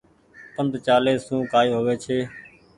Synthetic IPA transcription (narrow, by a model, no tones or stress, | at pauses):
pənd̪t͡ʃaːleːsũːkaːjoːɦoʋeːt͡ʃʰeː